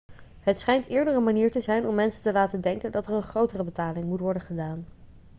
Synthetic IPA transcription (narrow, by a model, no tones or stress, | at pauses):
ɦətsχɛjntɪːɹdəɹənmaniːɹtəzɛjnɔmːɛnsəntəlaːtədɛŋkəndɑtəɹənχrowtərəbətaːlɪŋmutʋɔɹdənχədaːn